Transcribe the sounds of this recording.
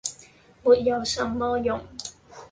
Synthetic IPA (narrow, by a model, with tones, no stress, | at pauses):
muː˨˩t̚jɐ˨˧wsɐ˨˧˥mmɔː˥jʊ˨˩ŋ